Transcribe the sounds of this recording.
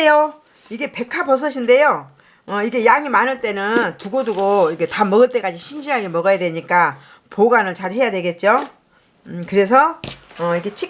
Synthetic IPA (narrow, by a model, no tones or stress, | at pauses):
jo | iɡe̞pe̞kʰapʌs̬ʰʌɕʰinde̞jo | ʌiɡe̞jaŋimanɯɭt͈e̞nɯntuɡoduɡoiɡe̞tamʌɡɯɭt͈e̞k͈ad͡ʑiɕʰinɕʰiɦaɡemʌɡʌjadwe̞ɲik͈a | poɡanɯɭt͡ɕaɾhe̞jadweɡe̞t̚t͡ɕ͈o | kɯɾe̞s̬ʰʌʌiɡe̞t͡ɕʰi